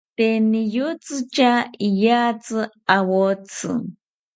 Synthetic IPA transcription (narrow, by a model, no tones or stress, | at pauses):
t̪enijut͡sɨt͡ʃaijat͡sɨ | awot͡sɨ̰